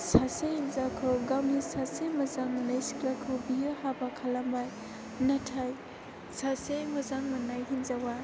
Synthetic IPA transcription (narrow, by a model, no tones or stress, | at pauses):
sasehinzakʰɯɡamisasemɐzaŋnajsi̥klakʰɯbijɯɦabakʰalambaj | natʰaj | sasemɐzaŋmɐnajɦinzawa